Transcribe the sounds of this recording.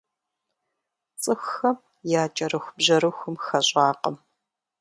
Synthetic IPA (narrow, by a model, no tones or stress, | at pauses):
t͡sʼɨxːɐ | jaːt͡ʃʼɐɾɨxʷbʑɐɾɨxʷʊmxɐɕʼɑːqɐ̰m